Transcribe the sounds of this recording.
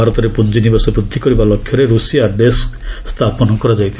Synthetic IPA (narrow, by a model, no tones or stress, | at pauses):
aɾɔt̪ɔɾepund͡ʒinibɔsɔbɾud̪ʱːikɔɾibalɔkʰːjɔɾeɾusijaɖeskst̪ʰapɔnɔkɔɾɔd͡ʒajt̪ʰi